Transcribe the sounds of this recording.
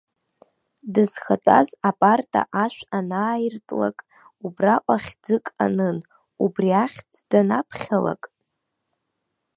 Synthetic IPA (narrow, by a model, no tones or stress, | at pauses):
dɨz̥xatʷʼa̰zapʼartʼa̰ʔaʃʷᶣanaːjirtʼla̰kʼ | ubraʔʷʼaχʲd͡zɨkʼa̰nɨn | ubriaχʲt͡sʰd̥anapʰχʲala̰kʼ